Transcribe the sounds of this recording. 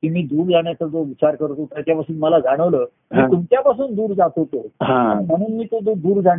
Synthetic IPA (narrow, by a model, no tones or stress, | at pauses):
kiːmiːd̪uːɾd͡zaɽjat͡səd͡zoʋit͡ɕaɾkəɾt̪ot̪jat͡ɕjapasuːnməlad͡zaɽ̃əʋləː | mĩːt̪umt͡ɕjapasuːnd̪uːɾd͡zat̪ɦot̪oɦãanm̤əɽ̃uːnmiːt̪od̪od̪uːɾd͡za